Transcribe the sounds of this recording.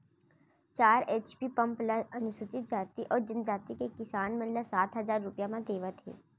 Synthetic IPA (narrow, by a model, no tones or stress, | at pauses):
t͡ʃaːɾeːt͡ʃpipɐ̃mpləɐnʊʃʊt͡ʃɪt̪̚d͡ʒaːt̪iʔɔːɾd͡ʒənd͡ʒaːt̪ikekɪsaːnmɐləsaːt̪ɦɐzaːɾːʊpjamãd̪eːʋət̪ɦɛ̰ː